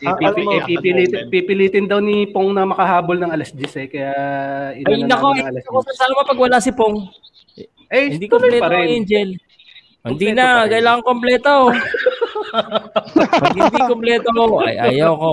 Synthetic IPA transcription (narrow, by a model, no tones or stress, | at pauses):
pipipɪliːt̪ɪpipɪliːt̪ɪnd̪ɐwnipoŋnɐmɐkɐhaːbolnɐŋɐlɐsd͡ʒ̪ɪsɛkɐjaɪɐjnɐkoɡɪsokosɐsaːnɐmɐpɐɡwɐlasɪpoŋ | ʔɐjhɪd̪iːkomplɛːtɾɛɛnd͡ʒɛl | hɪnd̪inɐkɐjlaːŋɐŋkomplɛːt̪o | pɐhɪd̪ikomplɛːt̪ooɐ̰jʔa̰jɐwko